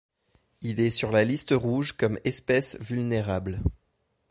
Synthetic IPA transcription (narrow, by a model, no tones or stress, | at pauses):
ilɛsyʁlalist̪əʁuʒkɔmɛspɛsvylneʁabl